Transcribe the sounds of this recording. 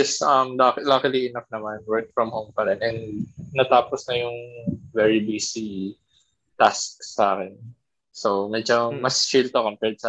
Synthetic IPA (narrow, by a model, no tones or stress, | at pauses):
ɛsʔɐmlaklakɪliʔɪnɐp̚nɐmanwɛɹk̚fɹɐmhowmpɐɾɛnʔɛnːɐt̪aːposnɐjʊŋvɛːɹibiːsi | t̪asksaːkɛn | somɛd͡ʒomɐst͡ʃilt̪okompɛɹt̪̚sa